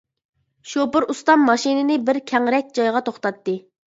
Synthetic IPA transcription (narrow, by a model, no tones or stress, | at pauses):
ʃopʊɾust̪ɑmːɑʃinɪnɪbɪɾkʲʰɛŋɾɛk̚ʲd͡ʒɑjʁɑt̪ʰoχt̪ɑt̪ːɨ